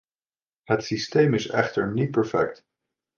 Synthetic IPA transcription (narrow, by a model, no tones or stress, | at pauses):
ɦətsistejmɪsɛ̰χtəɹnit̚pɛɹfɛ̰k̚t